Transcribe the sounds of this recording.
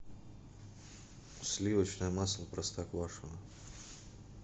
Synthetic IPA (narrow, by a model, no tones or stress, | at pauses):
ʊsʲlʲivət͡ɕnəjəmaslˠəpɾɐst̪akvaʂɨnɐ